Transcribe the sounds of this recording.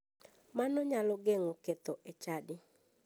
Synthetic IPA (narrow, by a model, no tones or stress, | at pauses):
manɔɲalɔɡeŋɔket̪ɔʔet͡ʃadɪ